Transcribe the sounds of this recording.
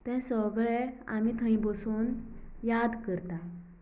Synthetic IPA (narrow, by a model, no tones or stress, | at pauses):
t̪ɛ̃səɡɭɛa̰mit̪ʰə̃ĩbəsuːnjad̪kəɾt̪a